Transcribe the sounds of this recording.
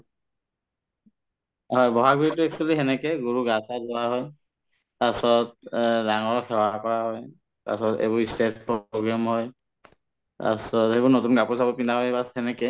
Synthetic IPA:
ɦɔjbɔɦaɡuɹitʊɛksɔliɦɛnɛkɛɡuɹuɡasazɔwaɦɔj | tasɔt̚daŋɔɹɔkʰɛwakɔɹaɦɔj | ta̰sɔtḛbʊɹistet̚pɹoɡɹamɦɔj | ta̰sɔthebɔɹnotunɡapuɹsabɔpindaɦɔjbashɛnɛkɛ

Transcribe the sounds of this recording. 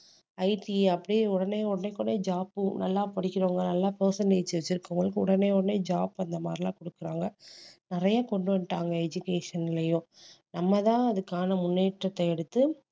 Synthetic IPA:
ɐɪʈiɐpːɐɽiʊɽɐneːɔɽɐneːkːɔɳneːd͡ʒaːpɯnɐlːaːpɐɽɪkʲːɪɾoːŋɡɐnɐlːaːpoːsɐnɖeːt͡ʃːʋɐt͡ʃːɪɾɯkːɯŋɡɐɭɯkːɯʊɽɐneːɔɽɐneːd͡ʒaːbɐnd̪ɐmaːɾɪlãːkɔɽɯkːɪɾaːŋɡɐnɪɾɐjaːkɔɳɖɯʋɐɳʈaːŋɡɐɛd͡ʒʊkeːʂɐnɪlɐjʊ̃nɐmːɐt̪ãːɐðɯkːaːnɐmʊnːeːʈɾɐt̪ːɐɛɽɯt̪ːɯ

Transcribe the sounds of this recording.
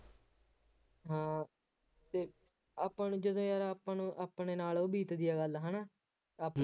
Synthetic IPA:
ɦãː | t̪eː | aːpanːd͡ʒəd̪õːjaːɾaaːpãːnũːʔaːpɳeːnaːloːbiːt̪d̪ɪjaːɡəlɦənaː | aːp

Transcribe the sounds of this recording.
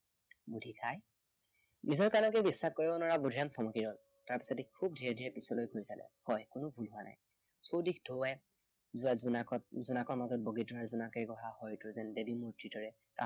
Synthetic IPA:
budʱikʰaj | nizɔɹkanɔk̬ɛbisːakkɔɹibɔnɔɹabudʱijamtʰɔmɔkiɹɔl | taɹpi̥sɔdikʰːub̚dʱiɹɛdʱiɹɛpisɔlojɡʰʱojsalɛ̰hɔjkʊnʊbʱulɦʊwanʔa̰j | sowdikʰdʱoɛ | zʊaɔzunakɔɹmazɔt̚boɡitɔɹɛzunakɛɡɔɦahɔjtʊzɛndebimutɹidɔɹɛ | ta

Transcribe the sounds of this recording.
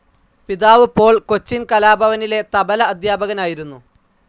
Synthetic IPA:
piðaːʋɨpo̞ːɭko̞t͡ɕːinkɐlaːbʱɐʋɐnile̞t̪ɐbɐlɐːd̪jaːbɐɣɐnaːjiɾunːu

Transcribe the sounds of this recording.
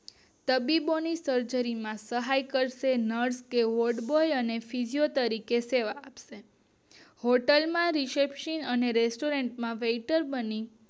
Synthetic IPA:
t̪əbibonisəɾd͡ʒəɾimãsəɦajkəɾʃenəɾskeʋoɾɖbojənefid͡ʒijot̪əɾikeseʋaːpʃe | hoʈəlmãɾisepʃənəneɾesʈoɾeɳʈmãʋeʈəɾbəni

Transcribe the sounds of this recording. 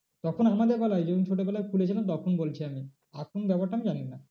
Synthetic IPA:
t̪ɔkʰonamad̪eɾbɛlajd͡ʑɔkʰont͡ɕʰoʈ̬obɛlajkʰulet͡ɕʰilant̪ɔkʰonbolt͡ɕʰiami | akʰonbɛpaʈːaamid͡ʑanina

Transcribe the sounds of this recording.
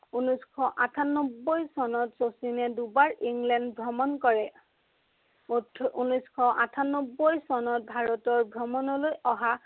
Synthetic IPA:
unɔskʰɔʔatʰanɔbːɔjsɔnɔtsosinɛdubaɹiŋlɛndbʱɹɔmɔnkɔɹɛ | unɔskʰɔʔatʰanɔbːojsɔnɔt̚bʱaɹɔtɔɹbʱɹɔmɔnɔlojɔɦa

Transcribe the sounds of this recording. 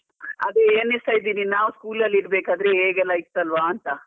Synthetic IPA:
ɐd̪eeːnist̪ajid̪iːninaːʋuskuːlɐlːiɾbeːkaːd̪ɾeeːɡɛlːait̪ːɐlʋaːnt̪ɐ

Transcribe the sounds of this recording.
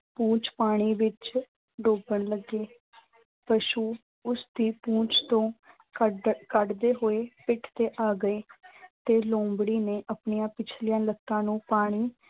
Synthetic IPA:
pũːt͡ʃpaːɽ̃iːʋɪt͡ʃ | ɖoːbəɳləɡːeː | pəʃuː | ʊsd̪iːpũːt͡ʃt̪õː | kəɖd̪eːɦoːeːpɪʈʰt̪eːʔaːɡəeːt̪eːlõːmbɽiːneːʔəpɳijãːpɪt͡ʃʰlɪjãːləkːãːnũːpaːɽ̃iː

